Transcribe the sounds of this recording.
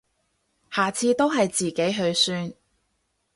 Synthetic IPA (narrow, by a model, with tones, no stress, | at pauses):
haː˨t͡sʰiː˧t̪o˥wɦɐ˨jt͡siː˨ke˨˥jɦɵ˨˧ɥsyː˧n